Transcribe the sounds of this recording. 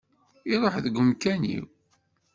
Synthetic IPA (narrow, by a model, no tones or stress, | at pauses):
iɾˤoħðəɡʷəmkænḭw